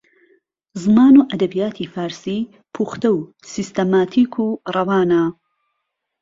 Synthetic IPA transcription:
zɨmaːnuːʔɐd̪ɐbijaːt̪ʰifaːɾsiː | pʰuːxt̪ɐw | sist̪ɐmaːt̪ʰiːkʰuːrˤɐwaːna

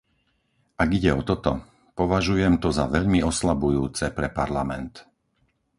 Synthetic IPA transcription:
ʔaɡiɟɛɔt̪ɔt̪ɔ | pɔʋaʒujɛmt̪ɔzaʋɛʎmiɔslabujuːt͡sɛpɾɛpaɾlamɛnt̪

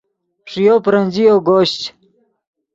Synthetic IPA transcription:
pʂijopɾənʲd͡ʑijoɡoːɕt͡ɕ

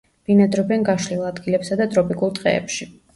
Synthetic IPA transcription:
b̥inad̪ɾɔbɛnɡaʃlilˠad̪ɡilɛpsad̪at̪ʼɾɔpʼikʼulˠt̪ʼqʼɛ̰ɛ̰pʃi

